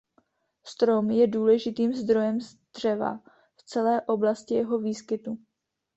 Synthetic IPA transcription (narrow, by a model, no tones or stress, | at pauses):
st̪ɾo̞mjɛduːlɛʒɪt̪iːmzd̪ɾo̞jɛmzd̪̥r̝ɛva̰ | ft͡sɛlɛːʔo̞blascɪjɛɦo̞viːskɪt̪u